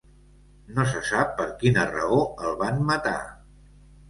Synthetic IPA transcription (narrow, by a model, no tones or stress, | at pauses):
nos̬əsapːəɾkinərə̰oəlˠβanmət̪a̰